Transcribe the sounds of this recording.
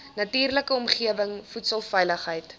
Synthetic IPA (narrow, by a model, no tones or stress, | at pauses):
nɐtiːrləkəɔmχiəvəŋfutsəlˠfɛjləχɦəjt